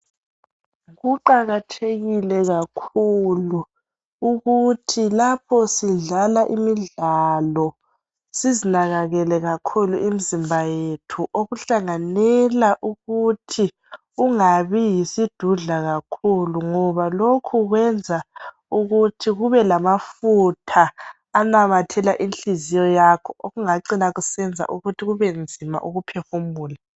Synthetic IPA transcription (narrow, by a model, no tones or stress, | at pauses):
ɣuǃaɣatʰeɣilɛɣakʰuluː | ɣutʰilapʰɔsiɮalaʔimiɮalɔ | sizinaɣaɣɛlɛɣakʰuluʔim̩zimbʱajetʰuʔoɣuɬaŋanɛlaʔuɣutʰi | uŋaβijisid̥ʱuɮaɣakʰuluŋɔβalokʰuɣwɛnd͡zʱa | uɣutʰiɣuβɛlamafutʰaː | namatʰɛlaʔinɬizijɔjakʰɔʔoɣuŋaǀinaɣusɛnd͡zʱa̰ʔuɣutʰiɣuβɛnd͡zʱima̰ʔuɣupʰɛxumuːla